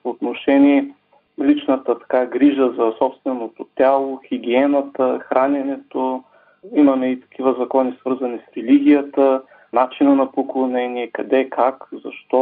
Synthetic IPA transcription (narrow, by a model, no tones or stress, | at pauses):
poːt̪noʃɛniɛ | lit͡ʃnət̪ət̪ɐ̥kaɡɾiʒəzɐsɔpst̪vɛnot̪ot̪ʲalˠoxiɡʲiɛnət̪əxɾanɛnɛt̪o | imɐmɛit̪ɐ̥k̟ʰivəzɐkɔnisvɤɾzɐnisɾɛliɡ̟ʲijət̪ə | nat͡ʃinənɐpoklˠonɛniɛkɐd̪ɛkʰakzɐ̰ʃt̪ɔ